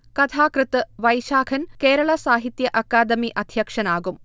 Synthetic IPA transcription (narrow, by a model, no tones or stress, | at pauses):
kɐt̪ʰaːkrɨt̪ɨʋɐjʃaːkʰɐnkeːɾɐɭɐsaːɦit̪jɐʔɐkːaːd̪ɐmiʔɐd̪ʱjɐkʂɐnaːɡum